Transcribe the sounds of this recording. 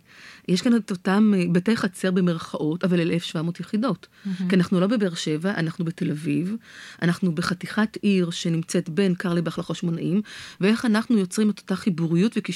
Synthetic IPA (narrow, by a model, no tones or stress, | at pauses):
jeʃkanetotambetejχat͡seʁbemeʁχaʔo̞tavalelʔelefʃvamo̞ːtjeχido̞tkianaχnulo̞be̞beʁʃe̞vaʔa̰naχnubete̞lavivʔanaχnube̞χatiχatʔiʁʃe̞nimt͡se̞tbe̞nkaʁlibeaχlaχo̞tʃmo̞naʔimveʔe̞χanaχnujot͡sʁimeto̥taχibuʁijutveki